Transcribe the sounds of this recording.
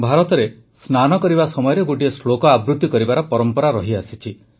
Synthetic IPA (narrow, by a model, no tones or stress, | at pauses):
bʱaɾɔt̪ɔɾe | snanɔkɔɾibasɔmɔjɔɾeɡoʈiesɭokɔabɾut̪ːikɔɾibaɾɔpɔɾɔmpɔɾaɾɔɦiasit͡ʃʰi